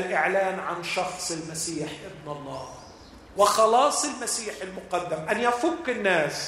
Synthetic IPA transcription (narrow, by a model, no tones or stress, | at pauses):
lʔɪʕlaːnʕanʃɑxsˤɪlmasiːħʔɪd̪nɑlˤːɑː | wɪxɑlɑːsˤɪlmasiːħɪlmʊqad̪ːamʔanjafʊkːɪnːaːs